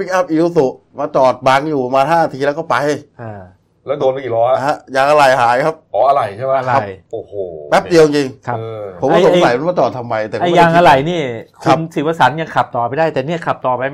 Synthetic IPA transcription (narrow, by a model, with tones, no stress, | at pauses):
pi˦˥k̚ʔa˦˥p̚ʔi˧wsu˨˩ʔmaː˧t͡ɕɔː˨˩t̪̚ba˧ŋjuː˨˩a˧maː˧nhaː˥˩na˧t̪ʰiː˧lɛː˦˥wkʰɔː˥˩pa˧jʔaː˧˩ | lɛː˦˥wdoː˧n˦iː˨˩lɔː˦˥˧ha˦˥jaː˧ŋʔa˧ɾa˨˩jhaː˩˦jkʰa˦˥p̚ʔɔː˨˦ʔa˧ɾa˨˩jt͡ɕʰa˥˩ma˦˥a˧ɾa˦˩jjʔoː˨˩hoː˨˩pɛ˦˥p̚di˧wji˧ŋt͡ɕi˧ŋkʰaː˦˥˧pʰo˩˦kɔː˥˧˩o˨a˦˧sa˨˦jma˧nmaː˧˩t͡ɕɔː˨˩t̪ʰa˧mːa˧jt̪ɛ˨˩ʔa˧jjaː˧ŋʔa˧ɾa˨˩jniː˥˩kʰo˧˦˧nsi˨˩wa˧˩sa˩˦nja˧ŋkʰa˨˩p̚t̪ɔː˨˩pa˧jdaː˥˩jt̪ɛː˨˩niː˥˩ɐkʰa˨˩p̚t̪ɔː˨˩pa˧jm